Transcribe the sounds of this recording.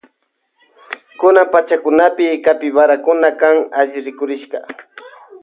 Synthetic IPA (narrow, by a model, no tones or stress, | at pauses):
kʊnampat͡ʃakʊnapɪkapɪbaɾakʊnakaŋaʒɪɾɪkʊɾɪʃɢɑ̰